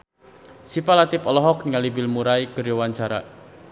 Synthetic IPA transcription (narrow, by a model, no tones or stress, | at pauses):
sipalat̪ɪpɔlɔɦɔkniŋalibɪlmuɾaikərjowaɲt͡ʃaɾa̰